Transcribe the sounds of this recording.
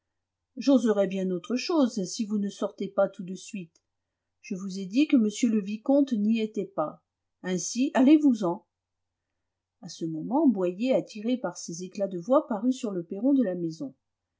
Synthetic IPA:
ʒozəʁɛbjɛ̃not̪χəʃozsivunəsɔʁt̪epat̪ud̪əsɥit̪ | ʒ̥əvuzɛd̪ikəməsjøləvikɔ̃t̪niet̪ɛpa | ɛ̃sialevuzɑ̃ | asəmɔmɑ̃bwajeat̪ʰiʁepaʁsezeklad̪əvwapaʁysyʁləpeʁɔ̃d̪əlamezɔ̃

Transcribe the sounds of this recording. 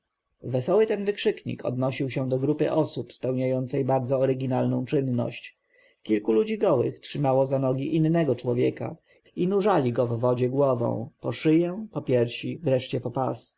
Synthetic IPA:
vɛsɔwɘt̪ɛnvɘkʂɘkɲḭkɔ̰d̪nɔɕiwɕɛd̪ɔɡɾupɘ̰ʔɔsupspɛwɲajɔnt̪sɛjbaɾd̪zɔːɾɘɡʲinalnɔ̃w̃t͡ʂɘnːɔ̰ɕt͡ɕ | kʲilkulud͡ʑiɡɔwɘ̰xtʂɘmawɔzanɔɡʲiʔinːɛɡɔt͡ʂwɔvʲjɛka̰ | inuʐalʲiɡɔvːɔd͡ʑɛɡwɔvɔ̰̃w̃pɔʂɘjɛpɔpʲjɛɾfɕivɾɛʂt͡ɕɛpɔpas

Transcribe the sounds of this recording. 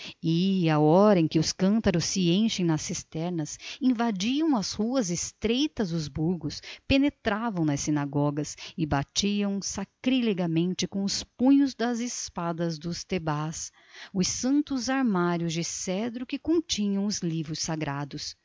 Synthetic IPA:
ɪaɔɾɐẽj̃kɪʊskɐ̃nt̪ɐɾʊsːɪẽʃẽj̃nɐsist̪ɛɾnɐsĩvad͡ʒiɐ̃w̃ɐshuɐzɪst̪ɾejt̪ɐzʊzbuɾɡʊspenet̪ɾavɐ̃w̃nɐsːinaɡɔɡɐsɪbat͡ʃiɐ̃w̃sakɾileɡɐmẽnt͡ʃɪkõʊspũɲʊzd̪ɐzɪspad̪ɐzd̪ʊst̪ebas | ʊsːɐ̃nt̪ʊzaɾmaɾjʊzd͡ʒɪsɛd̪ɾʊkɪkõt͡ʃĩɲɐ̃w̃ʊzlivɾʊsaɡɾad̪ʊs

